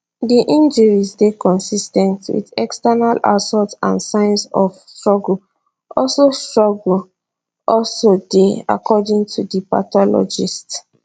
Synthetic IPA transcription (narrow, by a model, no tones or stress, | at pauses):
diʔĩnd͡ʒəɹizdekɔ̃nsistɛ̃ntwḭdɛkstanala̰sɔtsã̰nsãɪ̃nsɔfstɹɔɡl̩ | ɔlsostɹɔɡl̩ | ʔɔlsodea̰kʰɔdĩŋtʰudipa̰tɔlɔ̰d͡ʒist